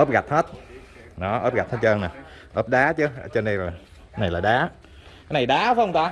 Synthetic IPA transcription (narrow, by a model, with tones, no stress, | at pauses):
ʔə˦˥p̚ɣa˨˩jt̚heː˦˥t̚ | ɗɔ˨˦ʔə̰ː˦˥p̚ɣa˨˩t̚həː˨˦˥t̚t͡ɕəː˧na˨˩ʔəː˦˥p̚ɗaː˨˦t͡ɕɨ˨˧˦t͡ɕɔ˧ne˧nlaː˨˩˦ | na˨˩jlaː˨˩ɗaː˨˦ | kaː˦jna˨˩jɗaː˨˦və˨˦ə˧wŋ͡mt̪aː˧